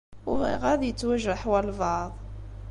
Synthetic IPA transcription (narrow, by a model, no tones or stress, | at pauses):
ʊʁḭʁæðjət͡sːwæʒəħwælvɑðˤ